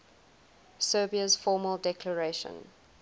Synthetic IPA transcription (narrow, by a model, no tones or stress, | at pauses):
sɜːbiəz̥fɔːməlˠdɛkʰləɹeɪʃə̰̃n